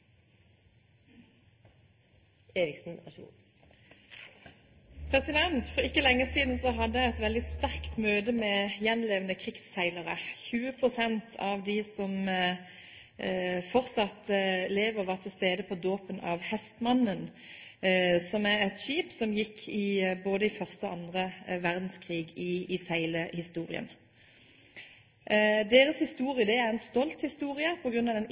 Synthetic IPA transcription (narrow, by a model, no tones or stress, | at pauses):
eːɾɪksn̩ɑ | pʰʁɛsɪd̪ɛnt̪fɔɪkːəlɛŋːəsiːd̪n̩sɔɦɑd̪əɛt̪ʋɛld̪ɪst̪æʁkt̪møːd̪əmɛjɛnleːʋənəkʰʁɪksːæɪləʁəçʉːəpʰʁʊsɛnt̪ʰɑʋd̪ɪsɔm | fɔʁt̪sɑt̪leːʋəʁʋɑʁt̪ʰɪlst̪eːd̪əpʰɔd̪oːpənɑ̰ʋhɛst̪mɑnːən | sɔmæʁɛt̪ʃiːpsɔmjɪkʰːɪboːd̪əɪfœʁst̪əɔɑnd̪ʁəʋæʁd̪n̩skʰʁiːɡɪɪsæɪləhɪst̪uːʁɪ̰ə̰n | d̪eːʁəshɪst̪uːʁɪəd̪ɛæʁɛnst̪ɔlt̪hɪst̪uːʁɪəpʰɔɡʁʉnːɑʋd̪ɛn